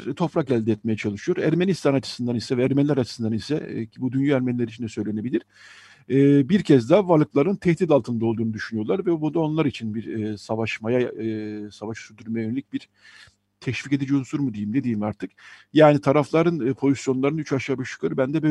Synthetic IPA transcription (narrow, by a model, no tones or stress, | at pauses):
ɾt̪ʰo̞pɾakælʲd̪ɛt̪mejɛt͡ʃʰalˠɯʃɯjo̞ɾæɾmenist̪ʰanat͡ʃʰɯ̥sɯnd̪anisɛvɛːɾmɛnlʲæɾat͡ʃʰɯ̥sɯnd̪anisɛ̰cbud̪ynjyæɾmɛnlʲɛɾit͡ʃʰind̪ɛsø̞jlʲe̞ne̞bilʲiɾ̥ | ɛːbiɾcʰɛzd̪avalˠɯt̪lˠaɾɯnt̪ʰɛht̪it̪alˠt̪ʰɯnd̪ao̞lˠd̪uːnud̪yʃynyjo̞ɾlˠaɾvɛbud̪ao̞nlˠaɾit͡ʃʰinbiɾːsavaʃmaja | savaʃsyɾd̪yɾmejajønelʲicbiɾ | t̪ʰɛʃvice̞d̪id͡ʒiunsuɾmud̪ejimd̪e̞d̪iːmaɾt̪ʰɯkjaːnit̪ʰaɾaflˠaɾɯnːpʰo̞zisjo̞nlˠaɾɯnyt͡ʃaʃabɯʃɯ̥kʰaɾɯbænd̪ɛbø